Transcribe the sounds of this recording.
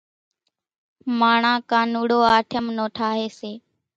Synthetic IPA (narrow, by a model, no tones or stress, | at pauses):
maːɳãːkãːnuːɽoːaːʈʰəmnoːʈʰaːɦeːseː